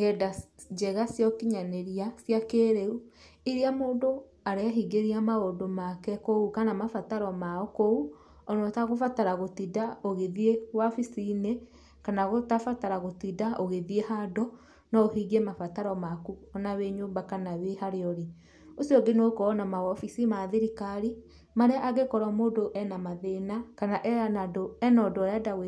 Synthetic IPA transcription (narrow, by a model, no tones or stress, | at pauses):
ɣɛda | d͡ʒɛɣasjɔkiɲaneɾiasjakeɾeuiɾiamoːdo | aɾeaɦiɡeɾiamaodomakɛkoukanamafataɾɔmaɔkou | ɔnɔtaɣofataɾaɣotidaoɣeðiewafisine | kanaɣotafataɾaɣotidaʔoɣeðiehadɔ | nɔohiɣemafataɾɔmakuɔnaweɲombakanawehaɾeɔɾe | osiɔɡenokɔːnamawɔfisimaðeɾikaɾi | maɾeaʔaɣekɔɾamoːdoʔɛnamaðenakanaʔɛanadoɛnɔdɔjadawe